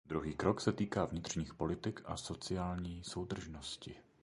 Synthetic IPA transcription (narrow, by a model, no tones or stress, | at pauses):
d̪ɾuɦiːkɾoksɛt̪iːkaːvɲɪt̪r̝̥ɲiːxpo̞lɪt̪ɪkʔaso̞t͡sɪaːlɲiːso̞wd̪r̩ʒnoscɪ